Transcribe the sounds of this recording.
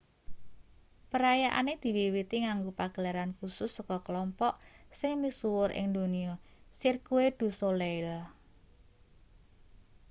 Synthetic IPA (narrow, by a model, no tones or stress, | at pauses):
pəɾajaʔa̰ned̪̥i̤liwit̪iŋaŋɡupaɡ̥ə̤laɾankusʊsːɔkɔkəlɔmpɔʔsɪŋmisuwʊɾʔɪ̰ŋd̪o̤niɔsirkued̪̥ṳsoleɪl